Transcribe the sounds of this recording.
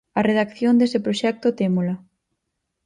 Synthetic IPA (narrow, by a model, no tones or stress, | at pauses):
ɐreðakθjond̪esɪpɾoʃɛk̚t̪ot̪emolɐ